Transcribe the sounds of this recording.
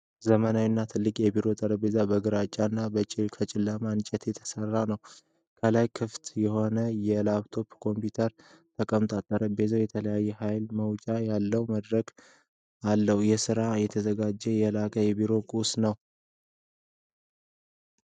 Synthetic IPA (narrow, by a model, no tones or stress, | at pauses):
zəmənawinːat̪ʰɨlːɨkʼjɛbiɾo̞t̪ʼəɾəbe̞zabəɡɨɾat͡ʃʼːanːabət͡ʃʼɪkʰət͡ʃʼɪlːəmant͡ʃʼɛt̪jɛt̪ʰə̥sərːanəw | kʰəlajkʰɨft̪jɛho̞nəjɛlaβt̪ʰo̞pkʰo̞mpjut̪ʰəɾ | t̪ʰəkʼəmt̪ʼat̪ʼːəɾəbe̞zawjɛt̪ʰələjajːɛhajlməwt͡ʃʼajalːəwməd̪ɾəɡ | alːəhujɛsɨɾajɛt̪ʰəzəɡad͡ʒːɛjɛlakʼəjɛbiɾo̞kʼusnəw